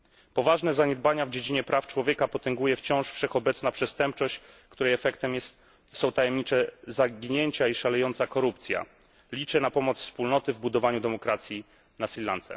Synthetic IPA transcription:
pɔvaʐnɛzaɲɛd̪̚baɲavd͡ʑed͡ʑiɲɛpɾʔaft͡ʂwɔvʲjɛkapɔt̪ɛŋɡujɛft͡ɕɔ̃w̃ʂfʂɛxɔbɛt̪snapʂɛst̪ɛmpt͡ʂɔɕt͡ɕkt̪uɾɛjɛfɛkt̪ɛmjɛst̪ | sɔ̃w̃t̪ajɛmɲit͡ʂɛzaɡʲiɲeɲt͡ɕaiʂalɛjɔnt̪sakɔɾupt̪sʲja̰ | lʲit͡ʂɛnapɔmɔt̪sfspulnɔt̪ɘvbud̪ɔvaɲud̪ɛmɔkɾat̪sʲji | nasʲillːant̪sɛ̰

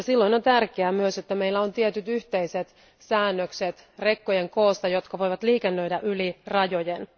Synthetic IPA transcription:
silːoino̞nt̪ærkeæːmyøsot̪ːæme̞ilːæo̞nt̪iet̪yt̪yht̪eiset̪ | sæːnːøkset̪ | rekːojeŋkoːst̪ɑjo̞t̪kɑʋo̞jʋɑt̪liːkenːø̞idæʔylirɑjojen

